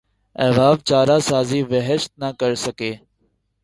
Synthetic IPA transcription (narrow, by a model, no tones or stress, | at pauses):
ɛːʋaːʋt͡ʃaːɾaːsaːziːʋəɦəʃt̪̚nəkəɾsəkeː